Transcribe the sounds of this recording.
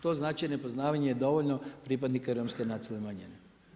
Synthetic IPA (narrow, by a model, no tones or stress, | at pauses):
t̪o̞znaːt͡ʃinepo̞znaːʋaɲejed̪o̞ʋoʎnopɾipad̪nikaɾomskenat̪silemaɲene